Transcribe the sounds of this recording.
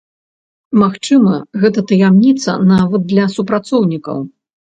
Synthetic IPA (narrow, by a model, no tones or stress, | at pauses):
maxt͡ʂɨmɐɣɛt̪ɐt̪ɐjamnʲit̪sɐ̰navɐd̪̚ːlʲɐsupɾat̪sɔwnʲikɐ̰w